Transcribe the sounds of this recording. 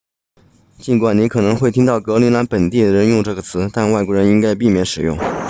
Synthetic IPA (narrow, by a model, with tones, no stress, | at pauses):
t͡ɕi˧˥nkwa˨˩nni˧˥kʰɤ˨˩nɤ˧˥ŋxwe˥˩ɪt̪ʰi˥ŋt̪ɑ˥˩ʊkɤ˧˥li˧˥nla˧˥npə˨˩nt̪i˥˩d̪ə˩ɻə˧˥njʊ˥˧ŋʈ͡ʂɤ˥˩ɡə˩t͡sʰɹ̩˧˥t̪a˥˧nwa˥˩ɪkwɔ˥ɻə˧˥ni˥ŋka˥ɪpi˥˩mjɛ˧˥nʂɻ̩˨˩jʊ̰˥˩ŋ